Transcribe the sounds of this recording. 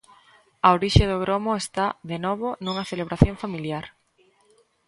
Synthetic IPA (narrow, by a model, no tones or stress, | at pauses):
aoɾiʃeðoɣɾomʊest̪aðenɔβonuŋɐθeleβ̞ɾaθjoɱfamiljaɾ